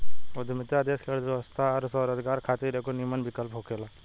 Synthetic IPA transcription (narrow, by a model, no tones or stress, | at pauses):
od̪ʱmɪt̪jad̪eːskʰeɭd̪ʋjɛʋəst̪ʰaɐɾsɔɾɐd͡ʒ̪ɡaːɾkʰaːt̪iɾekonimənbʱikəlpɦokelaː